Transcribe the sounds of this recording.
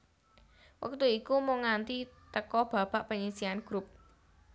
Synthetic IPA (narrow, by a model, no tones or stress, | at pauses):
wə̰k̚t̪uikumoŋant̪it̪əkɔb̥a̤b̥a̤ʔpəɲisianɡ̥ɾup̚